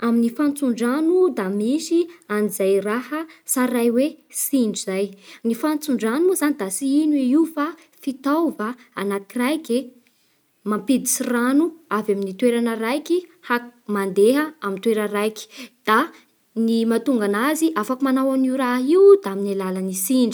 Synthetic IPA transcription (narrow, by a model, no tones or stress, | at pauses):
aminifant͡suɳɖ͡ʐanud̪amisianizajrahəsaɾajwesiɳɖ͡ʐizajnifant͡suɳɖ͡ʐanuzanid̪asiinuiiufa | fit̪awvaa̰nakirajke | mampid̪isiranuavaminit̪weɾanərajkihamand̪eɦəamint̪weɾərajki̥d̪̥a | nimat̪uŋɡanaziʔafakumanawaniuɾaɦiud̪aaminalalanisiɳɖ͡ʐi